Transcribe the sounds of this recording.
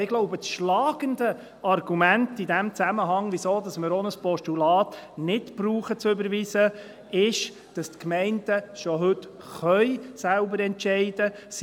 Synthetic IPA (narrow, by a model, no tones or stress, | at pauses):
ɪɡloʊbət͡sʃlɑːɡ̥əndə | ɑrɡ̥umæntidæmt͡sæməɦɑŋʋisoːdɑsmɪɾɔnəspɔʃtulɑːtnɪtb̥ɾuːχət͡sʏbəɾʋiːsə | ɪʃ | d̥ɑstkmɛɪnd̥əʃɔɦʏt | χœʏsælbəɾɛntt͡ʃɛɪdə | s